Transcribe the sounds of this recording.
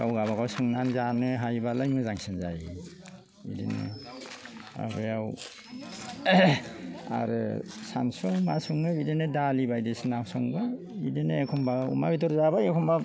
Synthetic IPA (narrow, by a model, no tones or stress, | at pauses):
awɡaβaɡasɯŋnanzanɯɦajbalajmɯzaŋsɯnza̰ji | idḭnɯ̰ | a̰bɯaw | a̰ɾɯ̰sa̰nsɔmasuŋnɯbidenɯdalibajdesnasɔŋba | bidenɯekʰɔmbaumabidɔɾzabajekʰɔmba